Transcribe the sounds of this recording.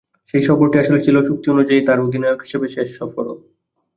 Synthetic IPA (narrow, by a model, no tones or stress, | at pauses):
ʃejʃɔfoɾʈiaʃolet͡ɕʰiloʃuk̚t̪ionud͡ʑait̪aɾod̪ʱinɔeoɡɦi̥ʃebeʃeʃːɔfoɾo̰